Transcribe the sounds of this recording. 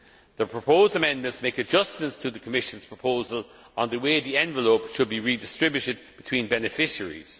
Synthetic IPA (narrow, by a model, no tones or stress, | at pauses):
ðəpʰɹ̥əpʰoʊzdəmɛ̃nmə̃ntsmeɪkəd͡ʒʌsmə̃ntstʰəðəkʰəmɪʃə̃nz̥pʰɹ̥əpʰoʊzəl | ə̃nðəweɪðiɛ̃nvəloʊpʃəd̚biɹidɪstɹ̥ɪbjʊɾɪd̚b̥ɪtʰw̥ĩnbɛnɪfɪʃəɹḭz̥